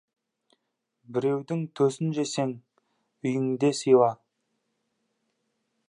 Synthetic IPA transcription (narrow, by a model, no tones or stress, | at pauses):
bɪɾe̞wd̪ɪŋt̪ʰɵsɪnʒese̞ŋ | ʏjɪŋd̪e̞sijwˠɑ